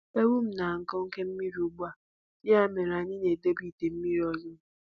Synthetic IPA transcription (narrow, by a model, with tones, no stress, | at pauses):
e˦wu˦m̩˨na˨ŋ̩˨kɔ˦ŋ̩˦ke˦m̩˦mi˦ɾi˨u˨ɡ͡ba˨ | dɪ˦a˦˨me˨ɾa˨ɲɪ˦ne˨de˦bi˦˨te˨m̩˦mi˦ɾi˨ɔ˨lɪ˦m̩˦